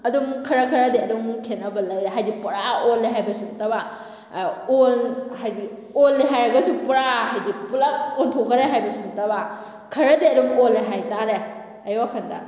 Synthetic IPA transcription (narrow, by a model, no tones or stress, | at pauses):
ɐdumkʰɐɾɐkʰɐɾɐdeɐdumkʰenɐbɐlɐjeɦajdipuɾaolːeɦajbɐsuŋtɐba | onhajdi | olːeɦajɾɐɡɐsupuɾaɦajdipulɐontʰokʰɐɾeɦajbɐsuntɐba | kʰɐɾɐdeɐdumolːeɦajtaɾe | ɐjwakʰɐndɐ̰